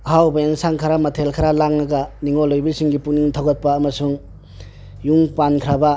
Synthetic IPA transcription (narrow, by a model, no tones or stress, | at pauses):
hawbaensaŋkʰaɾamɐtʰelkʰaɾalaŋnɐɡaniŋolːojbilsiŋɡipuk̚niŋtʰawɡɐt̚paːmɐsuŋ | juŋpankʰɾaba